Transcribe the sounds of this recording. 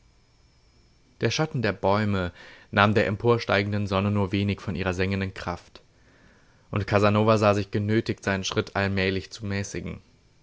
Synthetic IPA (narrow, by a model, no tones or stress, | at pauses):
d̥eːɐʃatn̩deːɐbɔʏmənʔaːmdeːɐʔɛmpʰoːɐʃta̰ɪɡŋ̩dənzɔnənuːɐveːnɪçfɔnʔiːʁ̞ɐzɛŋəndənkʁ̥aft | ʔʊntkʰazanoːvazaːzɪçɡ̥ənøːtɪçtz̥aɪnənʃʁ̥ɪtʰʔalmɛːlɪçt͡sumɛːsɪɡŋ̩